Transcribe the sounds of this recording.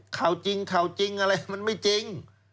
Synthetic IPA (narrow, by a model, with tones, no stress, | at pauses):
kʰa˨˩wt͡ɕi˧ŋkʰa˨˩wt͡ɕi˧ŋʔa˧ɾa˧jma˧nma˥˩jt͡ɕi˧ŋ